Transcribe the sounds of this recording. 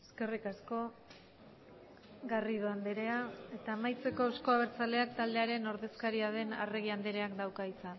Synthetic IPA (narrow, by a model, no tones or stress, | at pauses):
eske̞rikasko̞ | ɣarið̞oand̪eɾe̞ae̞t̪aːmajt͡se̞ko̞sko̞aβ̞e̞ɾt͡sale̞ak̚t̪ald̪e̞aɾe̞no̞ɾðe̞skaɾiaðe̞na̰reɣ̞iand̪eɾe̞akd̪awkait͡san